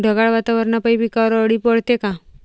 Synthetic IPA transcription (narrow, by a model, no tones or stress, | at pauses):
ɖʱəɡaɭʋat̪aʋəɾnapəibʱikaɾəɽiːpɔɽt̪eka